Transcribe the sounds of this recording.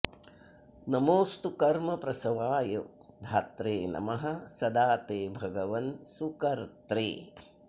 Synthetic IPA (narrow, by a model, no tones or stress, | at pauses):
nɐmoːst̪ukɐɾmɐpɾɐsɐʋaːjo | d̪ʱaːt̪ɾeːnɐ̰mɐɦɐ̆sɐd̪aːt̪eːbʱɐɡɐʋɐnsukɐɾt̪ɾḛː